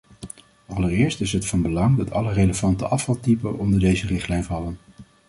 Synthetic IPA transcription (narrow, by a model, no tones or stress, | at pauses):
ɑlərɪːɹstɪsɦətfɑnbəlɑŋdɑtʰɑlərejləvɑntəʔɑfɑlˠtipəɔndəɹdejzərɪχtlɛjnvɑlən